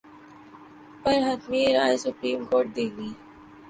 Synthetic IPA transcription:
pɐɾɦɐt̪miɾaːjsʊpɾiːmkoːɾʈ̚d̪eːɡiː

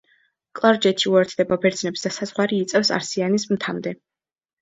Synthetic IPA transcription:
kʼlˠaɾd͡ʒɛt̪ʰiuɛɾt̪ʰd̪̥ɛbabɛɾd̪znɛpsd̪asazʁwaɾiːt̪sʼɛfsa̰ɾsianismt̪ʰamd̪ɛ

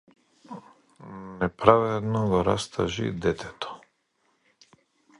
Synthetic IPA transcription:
nɛpɾavɛd̪nɔɡɔɾast̪ʰa̰ʒḭd̪ɛt̪ʰɛt̪ɔ̥

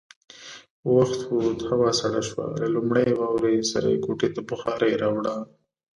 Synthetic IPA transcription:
waxt̪but̪hawɑsaɽaʃwa̰lalumɽajwɑwɾesa̰ɾa̰jekoʈet̪abʊxɑɾajɾɑwɽa

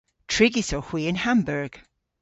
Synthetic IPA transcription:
tʰɹ̥ɪɡisəhw̥iːɪ̃nhãmbəɹɡ̥

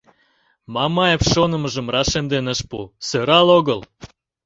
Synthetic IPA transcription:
mɑmɑjepʃonə̆məʒə̆mrɑʃemd̪enəʃpusøɾɑloɣəl

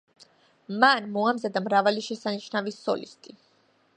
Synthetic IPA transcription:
manmɔamzad̪amɾavaliʃɛsanit͡ʃnavisɔ̰lḭst̪ʰʼi

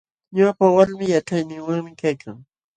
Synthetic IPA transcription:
ɲapawaɾmɪjaʈ͡ʂajnɪŋwaŋmɪkajkʰaŋ

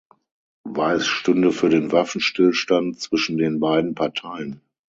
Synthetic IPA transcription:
vaɪsʃtʏndəfyːɐdeːnvafn̩ʃtɪlʃtantt͡sv̥ɪʃn̩deːnbaɪdn̩pʰaɐtʰaɪən

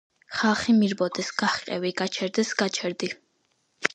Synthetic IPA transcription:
χalˠχimiɾbɔd̪ɛsɡ̥aχqʼɛviɡat͡ʃʰɛɾd̪ɛsɡ̥at͡ʃʰɛɾd̪i

